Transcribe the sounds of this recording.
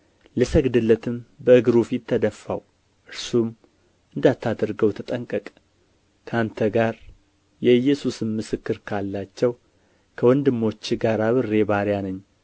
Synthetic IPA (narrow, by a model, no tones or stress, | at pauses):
lɨsəɡd̪ɨlːət̪ʰɨmbəɨɡɾufit̪ʰːəd̪əfːaw | ʔɨɾsum | ʔɨnd̪at̪ʰːad̪ɾɡəwt̪ʰət̪ʼəŋkʼəkʼ | kʰəant̪ʰəɡaɾ | jɛɨjːɛsusɨmːɨsɨkːɨɾkʰalːat͡ʃːɛw | kʰəwɔnd̪ɨmːo̞t͡ʃːɡaɾaβɨrːe̞βaɾjanəɲː